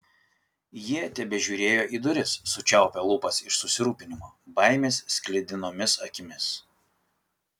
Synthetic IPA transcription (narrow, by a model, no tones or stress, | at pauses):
jiɛt̪ʲɛbʲɛʒʲuːɾʲeːjoːʔiːˑd̪ʊɾʲɪsːʊt͡ʃʲɛˑʊpʲɛlˠʊpɐsɪʃsʊsʲɪɾuːpʲɪnʲɪmoːbɐˑɪmʲeːssʲkʲlʲɪd̪ʲɪnoːmʲɪsɐkʲɪmʲɪs